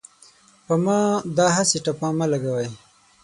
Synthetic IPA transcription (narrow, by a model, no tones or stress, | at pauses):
pamɑd̪ɑɦasiʈapɑ̃ːmalaɡawaj